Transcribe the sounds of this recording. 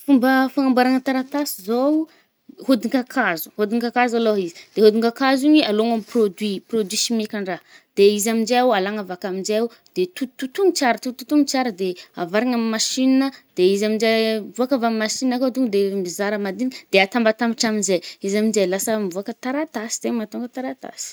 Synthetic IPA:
fumbəfaŋambaɾaŋət̪aɾat̪asizo | hod̪iŋkakʰazu̥hod̪iŋkakazaloɦizi̥d̪̥eɦod̪iŋkakaziɲialoŋamiprod̪wiprod̪wisimekʲaɳɖ͡ʐa | d̪̥eizaminzd͡ʒeawalaŋavakaminzeaw | d̪̥et̪ut̪ut̪uŋit͡saɾət̪ut̪ut̪uŋit͡saɾəd̪eavaɾiŋamimaʃinnəd̪̥eizamind͡ʒevuakavamimaʃinakood̪uŋd̪emizaɾəmad̪ind̪̥eat̪ambat̪ambiʈ͡ʂaminzejizamind͡ʒelasəmivuakət̪aɾat̪asi̥z̥emat̪uŋɡət̪aɾat̪a̰si̥

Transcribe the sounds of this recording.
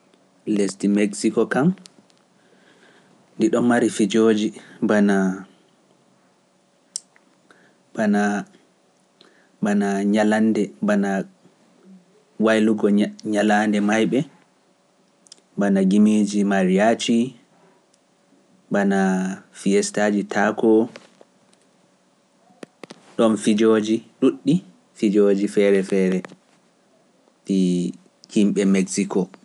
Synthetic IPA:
lestimeksikɔkam | ndiɗɔmːaɾifid͡ʒod͡ʒibana | bana | banaɲalandɛbana | wajluɡɔɲalandɛmajɓɛ | banaɡimid͡ʒimaɾiat͡ʃi | banafijɛstad͡ʒitʰakɔ | ɗɔnfid͡ʒod͡ʒiɗuɗːi | fid͡ʒod͡ʒifɛɾɛfɛːɾɛ | ɗi | kimɓɛmɛksikɔ

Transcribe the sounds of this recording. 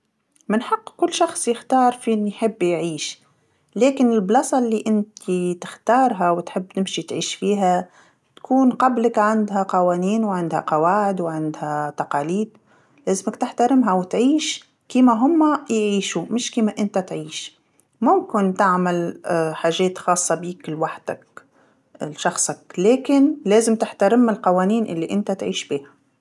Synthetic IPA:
mɪnħɑqːkʊlːʃɑxsˤjɪxt̪ɑːɾˤfinijħɪbːjʕiːʃ | lɛːkɪnɪlblɑsˤɑlːiʔɪnt̪ʰit̪ɪxt̪ɑːɾˤɦawt̪ħɪbːt̪ɪmʃit̪ʕiːʃfiːɦæ | t̪kʰuːnqɑblɪkʕand̪ɦæqɑwæːniːnwʕɪnd̪hæ̰qɑwaːʕɪd̪wʕɪnd̪hæt̪ɑqɑːliːd̪ | leːzɪmakt̪ɪħt̪aɾɪmɦawɪt̪ʕiːʃ | kiːmaɦʊmːajʕiːʃumɪʃkiːmaʔɪnt̪at̪ʕiːʃ | mʊmkɪnt̪aʕmalħaːʒeːt̪xɑːsˤːɑbiːkɪlwaħd̪̥ak | ʃɑxsˤɑkleːkɪnleːzɪmt̪ɪħt̪aɾɪmɪlqɑwaːniːnʔɪ̰lːiʔɪnt̪at̪ʕiːʃbiːha

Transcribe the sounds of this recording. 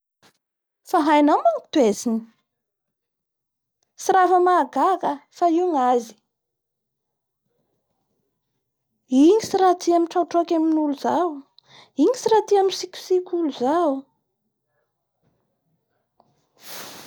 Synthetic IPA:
faɦajnamaŋi̥t̪uezini | sirafəmaɡakəfaiŋazi̥ | iŋisiɾat̪iamiʈ͡ʂawʈ͡ʂokʲaminuluz̥aw | iŋisirat̪iamisikʲu̥sikʲuluzaw

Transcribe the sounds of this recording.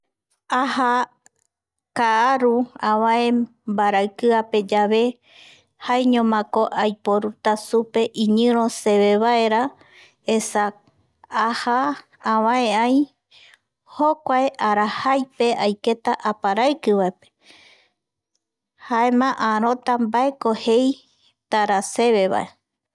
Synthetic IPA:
aha | kaaɾuãβãẽ | mbaɾaɨkɨape̞d͡ʒaβe̞ | haeɲõmãko̞ʔajpoɾut̪asupe̞ʔiɲɨ̃ɾõse̞βe̞βae̞ɾa | esa | aha | ãβãẽaj | hokʷaeʔaɾahajpe̞ʔajke̞t̪aʔapaɾaɨkɨβaepe̥ | hae̞mãʔãɾ̃õ̞t̪ambae̞kohe̞j | t̪aɾase̞βe̞βa̰ʔe̞

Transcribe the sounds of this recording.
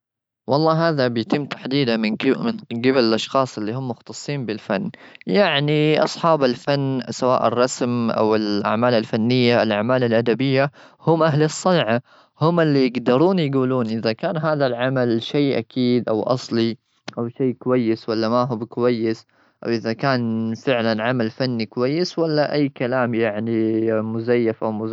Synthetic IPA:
wɑlˤːɑːɦaːðabɪjt̪ɪmːt̪aħd̪iːd̪amɪnmɪnɡabɪlɪlʔɑʃxɑːsˤɪlːihʊmːʊxt̪ɑsˤːiːnbɪlfanːjaʕniʔɑ̰sˤħɑːbalfanːsawa̰ːʔɪrˤːɑsmʔa̰wɪlʔa̰ʕmaːlalfanːɪjːaɪlʔaʕmaːlalʔad̪abɪjːa | hʊmʔaɦlɑsˤːɑnʕa | hʊmɪlːijɪɡd̪ɑɾˤuːnjɡuːluːnʔɪðakaːnɦaːðalʕamalʃeːʔa̰kʰiːd̪ʔawʔɑ̰sˤli | ʔawʃeːkʊwajːɪswalːamaɦʊbkʊwajːɪs | ʔa̰wʔɪðakaːnfɪʕlanʕamalfanːikʊwajːɪswalːaʔajːkalaːmjaʕnimʊzajːafʔawmʊ

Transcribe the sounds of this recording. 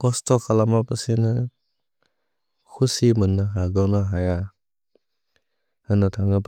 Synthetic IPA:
kɔstɔkʰalamapɯsinɯ | kʰusimɯnːaɦaɡawnaɦaja | hanɯtʰaŋap

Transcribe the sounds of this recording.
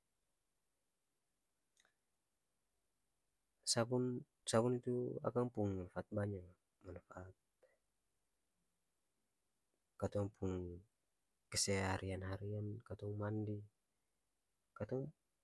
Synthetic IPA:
sabun | saβunit̪ua̰kaŋpuŋmanfaat̪̚baɲa | manfaat̪̚ | kat̪ɔŋpʰuŋ | kəsɛhaɾʔianhaɾiankat̪ɔŋmandi | kat̪ɔŋ

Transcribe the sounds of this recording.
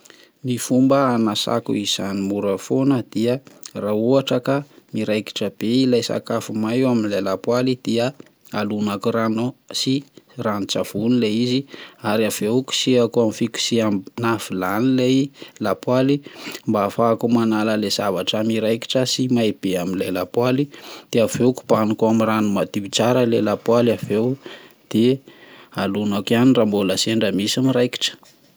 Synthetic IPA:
mifumbəanasa̰kṵiz̥animuɾəfonəd̪̥iərauaʈ͡ʂəkamiɾajki̥ʈ͡ʂəb̥eilajsa̰kafumajaminlalapwalid̪̥iə | alunakuranosiranit͡sav̥unileiziaɾiaveuku̥siakuamifiku̥sianafilanilejlapwalimbaːfaːkumanaləlez̥avaʈ͡ʂamiɾajki̥ʈ͡ʂəsimaeb̥eaminlejlapwalid̪̥eaveku̥b̥anukuamiranumad̪iit͡saɾəlelapwalavew | d̪̥e | alunakanirambolaseɳɖ͡ʐəmisamirajki̥ʈ͡ʂə̥

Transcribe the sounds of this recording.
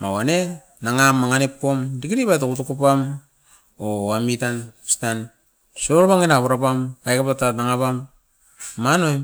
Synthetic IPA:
mawane | naŋamːaŋanep̚komdikiɾibatakutukupam | oamitansi̥tan | soɾbaŋinaβuɾapampajkapatanaŋapamː | anojm

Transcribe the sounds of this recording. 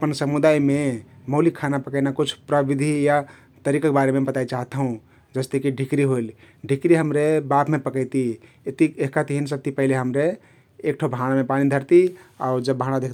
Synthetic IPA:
əpənsəmud̪ajmeməʊlikʰːanapəkəɪnakut͡ʃʰpɾəbid̪ʱija | t̪əɾikək̚baɾemebət̪ait͡ʃaɦt̪ɦũ | d͡ʒəst̪ekiɖʱikɾiɦojl | ɖʱikɾiɦəmɾebapmepəkəjt̪i | et̪ieɦkat̪iɦinsəb̚t̪ipəɦileɦəmɾeː | kʈʰobʱəanamepaɽ̃id̪ʱəɾt̪ia̰uɾd͡ʒəbːaɽ̃nad̪ekʰ

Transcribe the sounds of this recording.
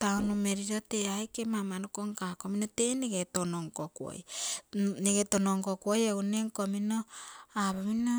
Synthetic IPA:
tawnumeɾiɾote̞ajkemamanukoŋkako̞minote̞neɡetonoŋkokwo̰j | neɡetonoŋkokuojeuneŋkominoaβomino

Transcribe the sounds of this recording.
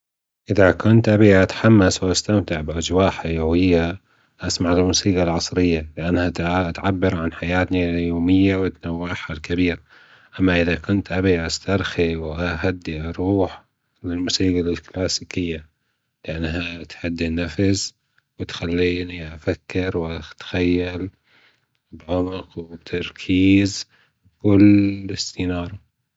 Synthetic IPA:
ʔɪðakʊnt̪ʔabiʔat̪ħamːaswʔast̪amt̪ɪʕbʔad͡ʒwaːħajawɪjːa | ʔasmaʕɪlmuːsiːɡalʕɑsˤɾɪjːalɪʔanːhaʔat̪ʕabːɪɾʕanħajaːt̪nijoːmɪjːawat̪nawːaħalkabiːɾa | ʔamːaʔɪðakʊnt̪ʔabiʔast̪ɑɾˤxiwʔaɦad̪ːiʔɑɾˤuːħ | lɪlmʊsiːɡalɪlklaːsiːkɪjːa | lɪʔanːɦat̪ħad̪ːinafz | wɪt̪xalːiːniʔafakːɪɾwɪt̪xajːal | bʕʊmɪqwɪbt̪ʰɑɾˤkʰiːz | kʊlːɪst̪iːnɑːɾˤɑ

